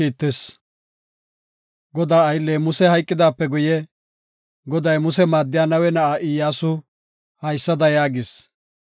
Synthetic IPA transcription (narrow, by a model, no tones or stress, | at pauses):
iːt̪ːɛs | ɡɔd̪aːɐjlːeːmʊsɛhɐjkʼːɪd̪aːpːɛɡʊjɛ | ɡɔd̪ɐjmʊsɛmaːd̪ːɪjaːnɐwɛnɐʔaʔɪjːaːsʊ | hɐjsːɐd̪ɐjaːɡɪs